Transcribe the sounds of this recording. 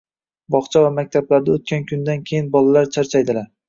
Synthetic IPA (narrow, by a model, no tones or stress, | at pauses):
bɒχt͡ʃʰavamak̚ʲt̪ʰablaɾd̪aot̪̚kʲankʲʰʊnd̪ankʲʰejɪnbɒlalaɾt͡ʃʰaɾt͡ʃʰajd̪ɪlaɾ